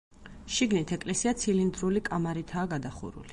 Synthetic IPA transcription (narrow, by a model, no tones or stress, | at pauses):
ʃiɡnit̪ʰɛkʼlɛsiat̪sʰilind̪ɾulikʼamaɾit̪ʰaːɡad̪aχṵɾṵli